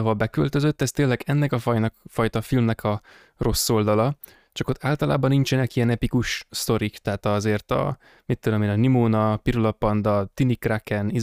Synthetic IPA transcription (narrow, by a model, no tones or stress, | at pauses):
ɦolbɛkølt̪ø̞zøt̪ːɛst̪eːlːɛɡɛnːɛkɒfɒjnɒkfɒjt̪ɒfilmnɛkʰɒ | ro̞sːo̞ld̪ɒlɒ | t͡ʃɒkot̪ːaːlt̪ɒlaːbɒnːint͡ʃɛnɛkijɛnɛpikuʃst̪o̞ɾikt̪ɛɦːt̪ɒzeːrt̪ɒ̰ | mit̪ːød̪ømeːnɒnimoːnɒpiɾulɒpɒnd̪ɒt̪inikrakɛni